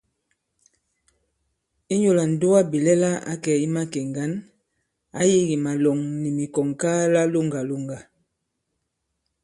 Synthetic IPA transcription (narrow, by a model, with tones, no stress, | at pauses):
i˦ɲo˨la˨n̩˨do˦a˦bi˨lɛ˦la˦a̰˦kɛ˨i˦ma˦ke˨ŋɡa˦n | a̰˦ji˦ɡi˨ma˨lɔ˨ŋni˨mi˨kɔ˨ŋka˦la˦lo˦ŋɡa˨lo˦˨ŋɡa˨